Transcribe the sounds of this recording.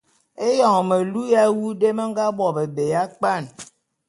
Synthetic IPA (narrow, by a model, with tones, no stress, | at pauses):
e˦jɔ˦˨ŋ˨me˨lu˦ja˦wu˦de˦me˦ŋ̩˦ɡa˦bɔ˨be˨be˨ja˦k͡pa˦˨n